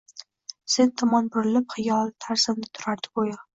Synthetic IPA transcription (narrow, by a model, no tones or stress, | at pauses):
sent̪ʰɒmɒnbʊɾɪlɪpχɪjɒlˠt̪ʰaɾsɪmd̪ɪt̪ʰʊ̥ɾaɾd̪ɪ̥bojɑ